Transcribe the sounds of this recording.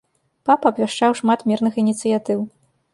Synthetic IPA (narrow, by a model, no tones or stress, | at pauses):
papɐbvʲaʂt͡ʂawʂmat̪mʲirnɨxinʲit̪sɨjat̪ɨw